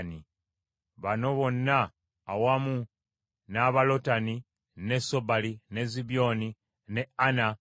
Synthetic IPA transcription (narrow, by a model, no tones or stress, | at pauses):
ni | βano̞βo̞nːaː | wamu | naβalo̞tani | ne̞so̞baline̞ziβjo̞ni | ne̞ana